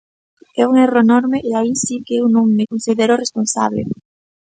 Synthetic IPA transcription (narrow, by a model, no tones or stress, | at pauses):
ɛuŋeroenɔɾmeʔeaisikeewnõŋmɪkonsiðeɾoresponsa̰βlḛ